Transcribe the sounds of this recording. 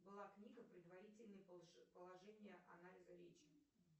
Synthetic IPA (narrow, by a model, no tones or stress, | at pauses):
bɨlˠaknʲiɡəpɾʲɪd̪vɐɾʲitʲɪlʲnəjpəlˠɐʐɛnʲɪjəʔɐ̰nalʲɪzəɾʲet͡ɕɪ̥